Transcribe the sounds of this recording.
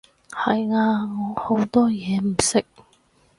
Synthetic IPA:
hɐ˨jŋaː˧ŋɔː˨˧˥ho˨˥wt̪ɔː˥jɛː˨˧m̩˨˩sɪ˥k̚

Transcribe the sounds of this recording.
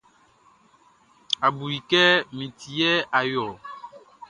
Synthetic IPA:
a˨bu˨ɾi˨kɛ˦mĩ˨tʰi˨jɛ˦a˨jɔ˨

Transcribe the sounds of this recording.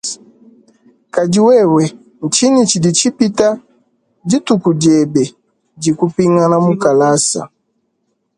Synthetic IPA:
ka˨d͡ʒi˨wɛ˦wɛ˨ | n̩˨t͡ʃi˦ni˨t͡ʃi˨di˨t͡ʃi˦pi˦ta˦ | d͡ʒi˦tu˨ku˨d͡ʒɛ˨bɛ˨ | d͡ʒi˨ku˦pi˦ŋa˦na˦mu˦ka˨la˦sa̰˨

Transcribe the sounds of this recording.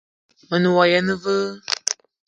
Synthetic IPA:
mə˨nu˨wa˨jɛ˦nɨ˦və˦

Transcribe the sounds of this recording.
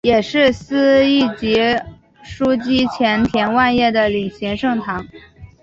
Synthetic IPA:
jɛ˨˩ʂɻ̩˥˩s̩˥i˥˩t͡ɕi˧˥ | ʂu˥t͡ɕi˥t͡ɕʰjɛ˧˥nt̪ʰjɛ˧˥nwa˥˧njɛ˥˩d̪ə˩li˨˩ɕi˧˥ŋʂɤ˥˩ŋt̪ʰɑ˧˥ŋ

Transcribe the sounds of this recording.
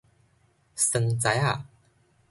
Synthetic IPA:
sə˧ŋt͡sa˨˧˦ja˥˨

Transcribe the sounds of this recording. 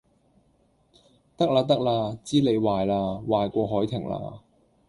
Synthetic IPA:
t̪ɐ˥k̚laː˧t̪̬ɐ˥k̚laː˧t͡siː˥le˨˧jwaː˨˧jlaː˧waː˨jkʷɔː˧ɦɔː˨˥jt̪ʰɪ˨˩ŋla̰ː˧

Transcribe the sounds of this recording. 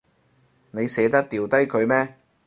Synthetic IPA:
ne˨˧jsɛː˨˥t̪ɐ˥k̚t̪iː˨˩wt̪ɐ˥jkʰɵ˨˧ɥmɛː˥

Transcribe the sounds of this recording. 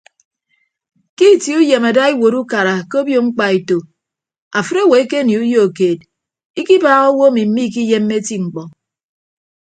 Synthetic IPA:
ki˦˨ti˨˦u˦je˨ma˨da˦i˦wo˨ɾu˦ka˨ɾa˨ko˦bjo˨ŋ͡m̩˦k͡pa˨i˨to˨ | a˨fɨ˦ɾo˦˨we˨˦ke˦ni˨u˦jo˦o˨keː˨d | i˦ki˦baː˦ɣo˦wo˦mi˨m̩˦i˦k̬i˦je˦mː˦e˦ti˦ŋ͡m̩˨k͡pɔ˨

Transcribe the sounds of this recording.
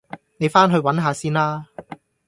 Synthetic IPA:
ne˨˧jfaː˥nɦɵ˧ɥwɐ˨˥nɦaː˨˧siː˥nlaː˥

